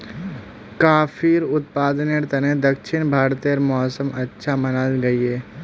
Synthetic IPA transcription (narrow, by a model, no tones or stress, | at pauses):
kaːfʰiːɾʊt̪̚paːd̪əneɾt̪ɐnẽd̪ɐkʃɪnbʱaːɾt̪iəɾmɔːsəmɐtːʃʰamɐnalɡɐieː